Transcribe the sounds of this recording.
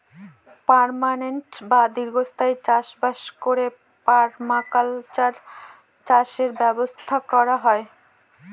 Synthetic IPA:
paɾmaneɳʈbad̪iɾɡost̪ʰaet͡ɕaʃbaʃkoɾe | paɾmakalt͡ɕaɾ | t͡ɕaʃeɾbɛbost̪ʰakɔɾaɦɔe

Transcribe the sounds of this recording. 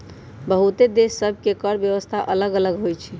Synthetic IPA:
bəɦut̪ed̪esːəb̚ʱkekəɾbjəʋəst̪ʰaʔələɡələɡɦojt͡ʃʰi

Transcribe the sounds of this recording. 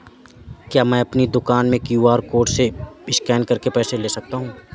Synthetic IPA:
kjaːmɛ̃ːɐpnid̪ʊkaːnmẽkjuːaːɾkoːɾʈseɪʃkɛːnkɐɾkepɛːseleːsɐk̚t̪aɦũː

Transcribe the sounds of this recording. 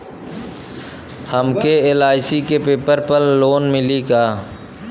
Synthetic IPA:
həmkeeːlaːsiːkepeːpəɾpəlːoːnmɪliːkaː

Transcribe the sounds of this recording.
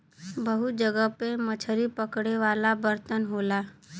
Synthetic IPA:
bəɦud͡ʒəɡəpemət͡ʃʰəɾipəkɽeʋaːlabəɾt̪ənɦoːla

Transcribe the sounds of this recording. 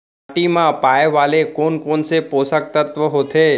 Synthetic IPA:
aʈimãpaːjeʋaːlekoːnkoːnsepoːsək̚t̪ət̪ʋəɦot̪ʰe

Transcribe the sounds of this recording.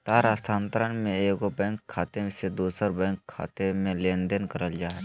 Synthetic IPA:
t̪aːɾaːst̪ʰãːnt̪əɾənmẽeːkobɛ̃ːŋkʰːaːt̪esed̪uːsəɾbɛ̃ːŋkʰːa̰ːt̪emẽlẽːnd̪ənkəɾəld͡ʒaːɛ

